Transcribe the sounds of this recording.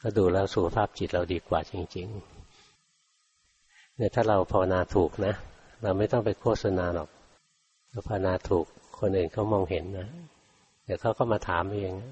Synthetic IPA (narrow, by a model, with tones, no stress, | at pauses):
kʰa˥˩duː˧lɛː˦˥˩wsu˨˦kʰa˧pʰaː˥˩p̚t͡ɕi˨˩t̪̚ɾa˧wdiː˧kwa̰ː˨˩t͡ɕi˧ŋt͡ɕi˧ŋ | nɛː˦˥˩t̪ʰaː˥˩ɾa˧wpʰa˧wa˧naː˧t̪ʰuː˨˩k̚na˦˥ʔ | ɾa˧wma˥˩jt̪ɔ˥˩ŋpa˧jkʰu˥˩t̪̚sa˧naː˧lɔ̰ː˨˩k̚ | ɾa˧˥wpʰa˧wa˧naː˧t̪ʰuː˨˩kʰːo˧nʔɯː˨˩nkʰa˦˥˩wmɔː˧ŋɦe˩˦nːa˦˥ | d̪ɛː˨˩kʰa˦˥˩wkʰa˥˩maː˧t̪ʰaː˩˦mʔa˧˩˧jŋa˦˥